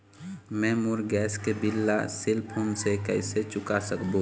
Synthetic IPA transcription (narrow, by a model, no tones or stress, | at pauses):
mɛ̃ːmʊɾɡɛːskebɪlːasɪlpʰunsekəɪset͡ʃʊkasəkbõ